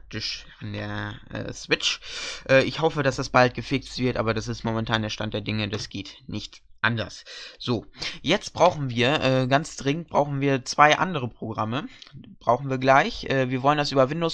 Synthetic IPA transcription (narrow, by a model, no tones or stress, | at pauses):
k̚tɪʃʔandeːɐʔɛ̰ːsv̥ɪt͡ʃʔɛːʔɪçhɔfədasd̥asb̥alt̚ɡ̥əfɪk̚t͡stv̥ɪɐtʔa̰ːbɐɾas̬ɪstmomɛntʰaːndeːɐʃtant̚d̥eːɐdɪŋədasɡ̥eːtnɪçtʔa̰ndɐsz̥oːjɛt͡st̚b̥ʁaʊxn̩viːɐʔɛːɡant͡sd̥ʁɪŋənt̚b̥ʁaʊxn̩viːɐt͡sv̥aɪʔa̰ndəʁ̞əpʁ̥oɡʁaməb̥ʁaʊxn̩viːɐɡlaɪçʔɛːviːɐvɔləndasʔyːbɐvɪndoːs